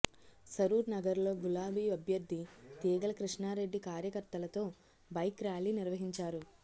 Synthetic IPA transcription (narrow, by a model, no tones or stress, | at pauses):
sɐɾuːɾnɐɡɐɾlo̞ːɡulaːbiːɐbʱjɐɾd̪ʱit̪iːɡɐlɐkɾiʂɳaːɾe̞ɖːikaːɾjɐkɐɾt̪ɐlɐt̪o̞ː | bɐjkɾaːliːniɾʋɐɦiɲt͡ʃaːɾu